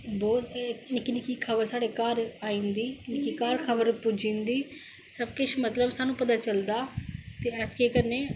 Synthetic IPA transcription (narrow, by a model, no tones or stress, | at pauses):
bɔːt̪ːnɪkːinɪkiːkʰəbəɾsaːɽeːkaːɾaːĩːnd̪iːnɪkiːkaːɾkʰəbəɾpʊd͡ʒĩːnd̪iː | səb̚kɪt͡ʃʰmət̪ləbsaːnũːpət̪aːt͡ʃəld̪aːt̪eːɛskeːkəneː